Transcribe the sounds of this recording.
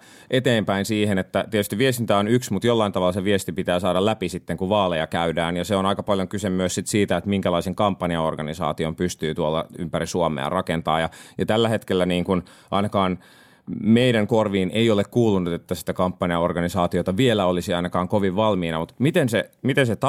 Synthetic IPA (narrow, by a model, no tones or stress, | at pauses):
ʔet̪eːmpæinsiːhenet̪ːæt̪ietyst̪iʋʋiest̪int̪æonyksmut̪jolːɑint̪ɑʋɑlːɑseʋiest̪ipit̪æːsɑːɾɑlæpisit̪ːeŋkuʋɑːlejɑkæydæːnjɑseonɑikɑpɑljoŋkysemyøssit̪siːt̪æet̪miŋkælɑiseŋkɑmpːɑniɑorɡɑnisɑ̰ːt̪iompyst̪yːt̪uolːɑ̰ympærisuomˑḛrɑkent̪ɑ̰ːjɑjɑt̪ælːæhet̪kelːæniːŋkun | ʔɑinɑkɑːn | meiɾæŋkorʋiːnʔeiolekkuːlunut̪et̪ːæsi̥t̪ækɑmpːɑniɑorɡɑnisɑːt̪iot̪ɑʋielæolisiɑinɑkɑːŋkoʋiʋʋɑlmiːnɑmut̪mit̪ensemit̪enset̪